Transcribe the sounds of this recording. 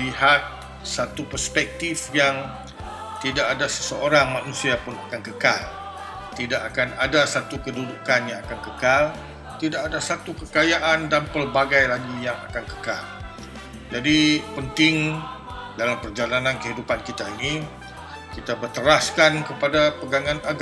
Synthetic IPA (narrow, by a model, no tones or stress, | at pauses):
liɦat̪̚ | sat̪upərspɛk̚t̪ifjaŋ | t̪idaʔadasə̥səoɾaŋmanũsiapʊnakankəkal | t̪idaʔakanadasat̪ukədudukanjaŋakankəkal | t̪idaʔadasat̪ukəkajaʔandanpəlbaɡajlaɡijaŋa̰kankə̥kal | d͡ʒadipənt̪ɪŋ | dalampərd͡ʒalanãnkəɦidupankit̪aini | kit̪abət̪əɾaskankəpadapəɡaŋãnaɡ